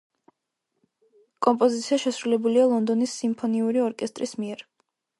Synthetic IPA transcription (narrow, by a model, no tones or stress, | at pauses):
kʼɔmpʼɔzit̪sʰiaʃɛsɾulɛbulialˠɔnd̪ɔnisːimpʰɔniuɾiɔɾkʼɛst̪ʼɾismiɛɾ